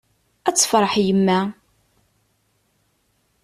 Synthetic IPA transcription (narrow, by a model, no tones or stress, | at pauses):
æt͡sːə̥fɾˤɑħjəmːæ